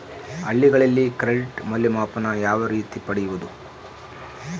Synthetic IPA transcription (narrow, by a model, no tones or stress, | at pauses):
ɐɭːiɡɐɭɐlːikɾeɭʈmɐljɐmaːpɐnɐjaːʋɐɾiːt̪ipɐɽɛjuʋud̪u